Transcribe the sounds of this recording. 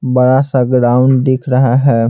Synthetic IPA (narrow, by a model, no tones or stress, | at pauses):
bəɾasəɡɖaːʊnd̪eːkʰɾəɦaɦɛː